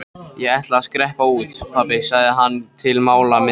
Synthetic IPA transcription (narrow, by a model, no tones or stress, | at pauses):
jɛɣɛht̪laːskɾɛhpauːt̪pʰapɪsaɣðɪɦanːt̪ʰɪlmaːwlamɪ